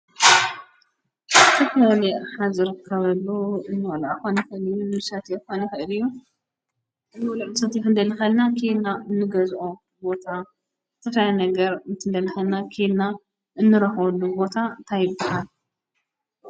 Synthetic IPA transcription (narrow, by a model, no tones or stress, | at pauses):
ɨt̪ʰɐfɐlalɐjħazɨɾɨkʰːɐβɐlːuɨnːɨwlaʔxonixɨʔɨlijːunɨsɐt̪exonixɨʔɨlɨjːu | ʔɨnɨwlɐʔsʰɐt̪ixɨnd̪ɐlɨxɐlnakʰid̪naɨnːɨɡɐzʔo | bo̞t̪ʰa | zɨt̪ʰɐflajnɐɡɐɾɨnt̪ʰɨnd̪ɐlɨxɐlnakʰid̪na | ʔɨnːɨɾɐxwɐlːubo̞t̪ʰant̪ʰajɪbːahal